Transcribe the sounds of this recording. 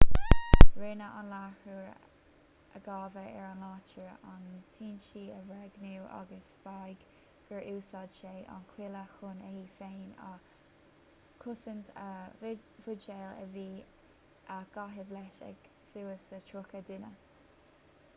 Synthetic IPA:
ɹeːnəʔa̰nlahuɹ | əɡɑːvəʔɛ̰ɹanlɑːt͡ʃəɹant̪ʰiːnʃiːəvɾɛɡnuwʔa̰ɡəsv̥ajɡ | ɡ̥əɹʔuːsɑdʃeːʔa̰nkʰwɪləxʊnəhiːsejna̰ | kʰʊsənt̪ʰə | vʊd͡ʒɛːlə̰viː | ʔaɡ̥aɦəvlɛʃɛ̰ɡ̥ | suːəsətʰɹʊkəd̪ɪnə

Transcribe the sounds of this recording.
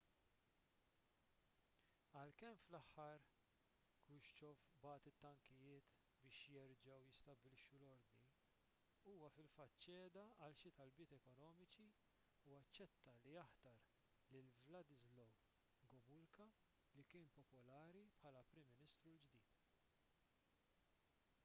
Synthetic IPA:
ɐlkɛmflɐħːɐɾ | kwɪʃt͡ʃɔfbɐːt̪ɪt̪ːɐŋkɪjɪːt̪ | bɪːʃjɛɾd͡ʒɐwjɪst̪ɐbɪlɪʃːulɔɾd̪ni | uːwɐfɪlfɐt̪ːt͡ʃɛːd̪ɐɐlʃɪt̪ɐlbɪːt̪ɛkɔnɔːmɪt͡ʃi | uɐt͡ʃːɛt̪ːɐlijɐħt̪ɐɾ | lɪlvlɐd̪ɪzlɔw | ɡɔmʊlkɐ | likɪːnpɔpɔlɐːɾipħɐːlɐpɾɪmːɪnɪst̪ɾuld͡ʒd̪iːt̪

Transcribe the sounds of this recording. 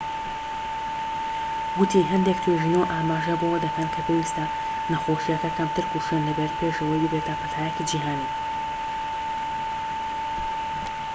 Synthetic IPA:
ɡʊt̪ʰiɦɛnd̪ek̚t̪ʰweʒinoːʔaːmaːʒɐbowɐd̪ɐkɐnkʰɐpʰeːwist̪ɐ | nɐxoːʃijakɐkɐmt̪ɨɾkuʃonlɨbɐɾpʰeːʃɐwɐjd̪ɨbeːt̪apʰɐt̪ʰaːjɛkid͡ʒiːɦaːniː

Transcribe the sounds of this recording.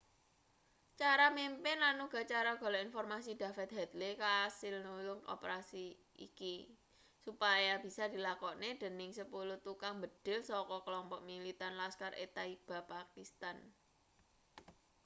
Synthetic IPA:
t͡ʃaɾamimpɪnlanuɡ̥a̤t͡ʃaɾaɡ̥ɔ̤lɔinfɔrmasid̪̥a̤fɛt̪̚hɛd̪lekasɪlnulʊŋɔ̰pəɾasi | ḭki | supajab̥i̤sad̪̥i̤lakɔned̪̥ə̤nɪŋsəpulut̪ukaŋmbəd̪̥ɪ̤lsɔkɔkəlɔmpɔʔmilit̪anlaskarʔḛt̪aib̥a̤pakist̪an

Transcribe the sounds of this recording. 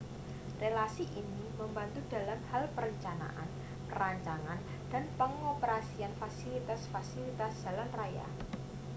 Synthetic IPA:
relasiʔiniməmbant̪ud̥a̤lamhalpəɾəɲt͡ʃana̰ʔa̰n | pəɾaɲt͡ʃaŋan | d̥a̤npəŋopəɾasianfasilit̪asfasilit̪asd̥a̤lanraja̰

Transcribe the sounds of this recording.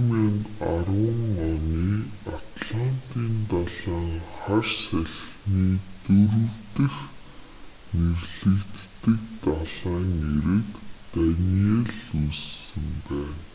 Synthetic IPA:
mʲanarwə̆ŋɔniːat̪ɮan̥t̪iːnt̪aɮaːŋχarsæɮxniːt̪ɵɾɵ̆wt̪ɘ̆x | nerɮɘ̆kt̪ːɘ̆k̚t̪aɮaːŋeɾɘ̆kt̪anieɮussɘ̆mpæːn

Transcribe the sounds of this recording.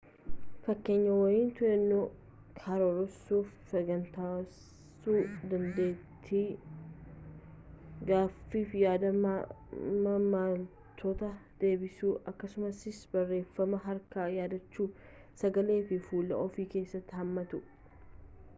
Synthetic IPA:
fɐkːe̞ːɲːɐwɐjiːnt̪ʊɛnːo | kʰaɾoɾɔsuːfsɐɡɐnt̪aː | suːd̪ɐnd̪e̞ːt̪ʰːi | ɡaːfːiːfɪjaːd̪ɐ | mɐmaːl | t̪ʰoːt̪ɐd̪̥e̞ːbɪsuːʔɐkːɐsʊmɐsɪsbɐrːe̞ːfːɐmɐɦɐɾkɐjaːd̪ɐt͡ʃːuː | sɐɡɐle̞ːfɪfuːlːɐ̰ʔɔfiːke̞ːsːɐt̪ːɪhɐmːɐt̪ʊ

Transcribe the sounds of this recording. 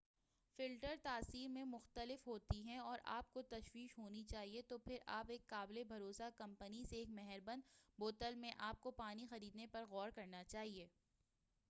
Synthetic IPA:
fɪlʈəɾt̪aːsiːɾmẽmʊxt̪əlɪfɦoːt̪iɦɛ̃ɔːɾʔa̰ːp̚kot̪ɐʃwiːʃɦoːnit͡ʃaːɦiet̪opʰɪɾa̰ːpeːkːaːblebʱɐɾoːsakɐ̃mpəniseːkmɛɦɛɾbɐ̃nd̪boːt̪əlmẽʔaːp̚kopaːnixɐɾiːd̪nepɐɾɣɔːɾkɐɾnat͡ʃaːɦieː

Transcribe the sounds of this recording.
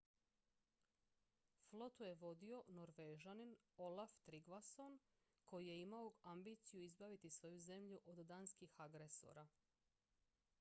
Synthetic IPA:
flˠo̞t̪uje̞ʋo̞d̪io̞noɾʋeːʒanin | olaft̪ɾiɡʋason | ko̞jije̞imaoambiːt̪sijuizbaʋit̪isʋo̞juze̞mʎuʔo̞d̪d̪aːnskixaɡɾeso̞̰ːɾa

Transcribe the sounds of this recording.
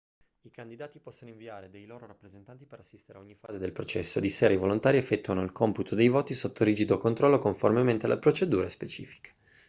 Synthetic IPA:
ikand̪id̪aːt̪ipɔsːonoiɱviaːɾed̪ejloːɾoɾapːɾezent̪ant̪ipeɾasːist̪eɾeaoɲːifa̰ːzed̪elpɾot͡ʃɛsːoed̪iseːɾaivolont̪aːɾiefːɛt̪ːuanoilkomput̪ʰod̪ejvoːt̪isot̪ʰːoɾiːd͡ʒid̪okont̪ɾɔlːokoɱformement̪ea̰lʔapɾot͡ʃed̪uːɾespet͡ʃḭːfi̥kḁ

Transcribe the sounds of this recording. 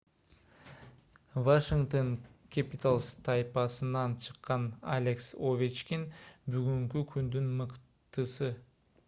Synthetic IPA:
vaʃiŋkt̪oŋkʰʲapʲit̪alˠst̪ʰajpɑsɯnɑnt͡ʃʰɯ̥qːɑna̰lʲeksovʲit͡ʃkʲinbyɡyŋkykʰynd̪ynmɯq | t̪ɯsɯ

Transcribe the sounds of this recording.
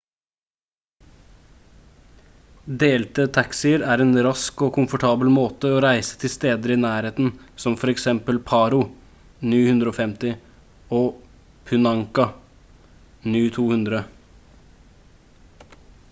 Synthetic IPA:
d̪eːlt̪ət̪ʰɑksɪəɾæːɾeːnɾɑskokʰʊmfɔʈʰɑːbəlmoːt̪əoːɾæɪsə̥t̪ʰɪst̪eːd̪əɾɪnæːɾheːt̪n̩sɔmfɔɾɛksɛmpəlpʰɑːɾʊ | nyːhʉnd̪ɾəoːfɛmt̪ɪ | oː | pʰʉnɑŋkɑ | nyːt̪ʰuːhʉnd̪ɾə

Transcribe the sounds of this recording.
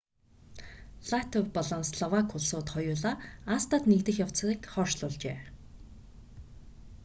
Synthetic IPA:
ɮ̥at̪ʰɔwpɔɮɞ̆nsɮɔwakʰʊɮsʊːt̪χɔjʊːɮaːast̪aːt̪nikt̪ɘ̆xjaw̥t͡s̆iːkχɔːʃɮʊːɮt͡ɕḛː

